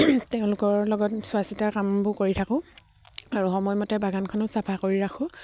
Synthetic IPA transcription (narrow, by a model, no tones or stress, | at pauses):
teʊ̃lʊkɔɹlɔɡɔtsʊasitakambʊkoɹitʰakʊ̃ | aɹuxɔmɔjmɔtɛbaɡankʰɔnosapʰakoɹiɹakʰʊ̃